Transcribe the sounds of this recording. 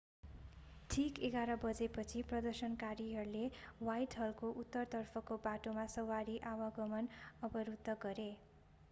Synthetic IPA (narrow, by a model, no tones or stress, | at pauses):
ʈʰikeɡaɾʌbʌd͡zepʌt͡sʰiprʌd̪ʌrsʌnkaɾiɦʌrulewajʈɦʌlkoʔut̪ːʌrt̪ʌrpʰʌkobaʈomasʌwaɾiʔawaɡʌmʌnʌbʌɾud̪ʱːʌɡʌɾe